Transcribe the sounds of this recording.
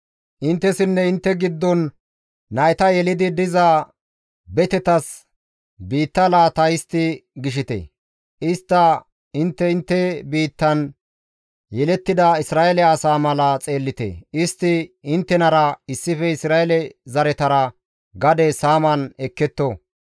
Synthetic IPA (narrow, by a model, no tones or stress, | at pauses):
ʔɪnt̪ːɛsɪnːɛɪnt̪ːɛɡɪd̪ːɔnː | ɐɛt̪ɐjɛlɪd̪ɪd̪ɪzɐ | bɛt̪ɛt̪ɐs | biːt̪ːɐlaːt̪ɐjɪst̪ːɪɡɪʃ̬ɪt̪ḛː | ɪst̪ːɐ | ɪnt̪ːɛɪnt̪ːɛbiːt̪ːɐn | jɛlɛt̪ːɪd̪ɐɪsɾaːelɛɐsaːmɐlɐt͡sʼe̞ːlːɪt̪ḛɪst̪ːɪɪnt̪ːɛnɐɾɐɪsːɪfɛɪsɾaːɛlɛzɐɾɛt̪ɐɾɐ | ɡɐd̪ɛsaːmɐnɛkːɛt̪ːɔ